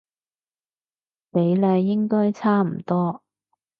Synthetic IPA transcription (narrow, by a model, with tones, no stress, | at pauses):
pe˨˧˥jlœː˧jjɪ˥ŋkɔː˥jt͡sʰaː˥m̩˨˩t̪ɔː˥